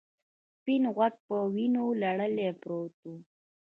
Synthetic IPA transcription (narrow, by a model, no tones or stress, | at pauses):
s | pinɣwak̚pəwinolaɽəlepɾot̪u